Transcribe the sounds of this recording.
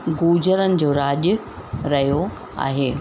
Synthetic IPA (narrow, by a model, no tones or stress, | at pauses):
ɡuːd͡ʑəɾənɪ̆d͡ʑoːɾaːʄʊ | ɾɐɦijo | a̰ːɦeː